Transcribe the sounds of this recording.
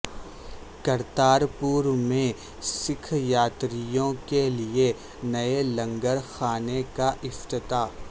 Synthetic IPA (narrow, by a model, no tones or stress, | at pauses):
kɐɾt̪aːɾpuːɾmẽ | sɪkʰjaːt̪ɾijõkelie | nɐelɐ̃ŋɡəɾxaːnekaʔɪft̪ɪt̪aː